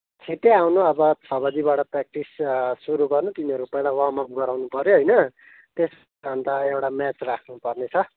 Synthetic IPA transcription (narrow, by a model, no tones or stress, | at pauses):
t͡sʰet̪eawnuʌbʌt͡sʰʌbʌd̪ibaʈʌprak̚ʈissuɾuɡʌrnut̪iniɦʌɾuopʌjlawʌɦmʌk̚ɡʌɾawnupʌɾjoɦʌjnʌ | t̪es | ʌnd̪aewʈamat͡srakʰnupʌrnet͡sʰʌ